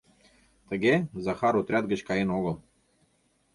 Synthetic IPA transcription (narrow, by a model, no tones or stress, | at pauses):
t̪ɐɡʲɛzaxaɾʊt̪ɾʲat̪ɡəʃkainɔɡɔ